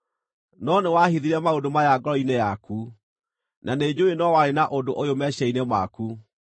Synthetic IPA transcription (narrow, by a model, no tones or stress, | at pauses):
nɔnewahiðiɾɛmaodomajaɡɔɾɔinejaku | nʔaned͡ʑoenɔwaɾenaʔondoʔojomɛɕainema̰ku